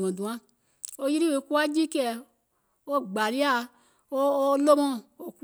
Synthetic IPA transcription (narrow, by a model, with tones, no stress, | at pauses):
ɔ̃˨dũ˨ã˦ | o˧ji˦ɾi˦we˨˧˨ku˦a˦d͡ʒi˦kɛ˦˨ | o˦ɡ͡ba˨li˦a˦˨ | o˦o˦lo˦mɔ̃˦˨o˨k